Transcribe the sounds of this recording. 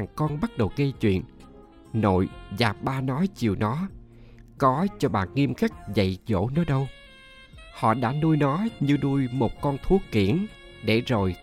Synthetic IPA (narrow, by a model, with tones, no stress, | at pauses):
ŋkɔ˧nɓə˦˥t̚ɗə˨˩wkə˧t͡ɕwḭ˧˨ən | no̰˧˨jzaː˨˩p̚ɓaː˧nɔ˨˦jt͡ɕi˨˩əwnɔ˨˦ | kɔ˨˦t͡ɕɔ˧ɓa̰ː˧˨nŋi˧əmxa˦˥k̚zə̰˧˨jzo̰˧˥nɔ˨˦jɗə˧w | hɔ̰˧˨ɗa̰ː˧˥nu˧jnɔ˨˦ɲɨ˧nu˧jmo˨˩t̚kɔ˧nt̪ʰu˦˥əkkːḭ˧˩ən | ɗe˧˩zo˨˩j